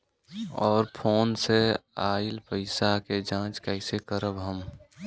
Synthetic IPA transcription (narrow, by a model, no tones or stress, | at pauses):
ɔːɾpʰoːnseaːɪlpəɪsaked͡ʒãːt͡ʃkɛɪsekəɾəbɦəm